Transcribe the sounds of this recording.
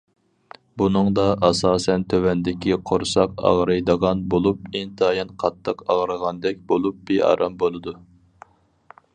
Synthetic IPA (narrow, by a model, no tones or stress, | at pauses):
bunɨŋd̪ɑʔɑsɑːsɛnt̪ʰøwɛnd̪ɪkʲiqʰoɾsɑqɑ̰ʁɾɨjd̪əʁɑnbolˠup̚int̪ʰɑjɑnqʰɑt̪ʰːəqɑʁɾəʁɑnd̪ɛk̚ʲbolˠup̚b̥iɑ̰ɾɑmbolˠɨd̪u